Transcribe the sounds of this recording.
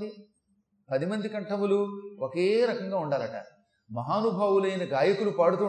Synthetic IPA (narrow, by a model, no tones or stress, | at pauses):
i | pɐd̪imɐnd̪ikɐɳʈɐmuluokeːɾɐkɐŋɡaːuɳɖaːlɐʈɐ̰ | mɐɦaːnubʱaːʋulɐjinɐɡaːjɐkulupaːɽut̪uː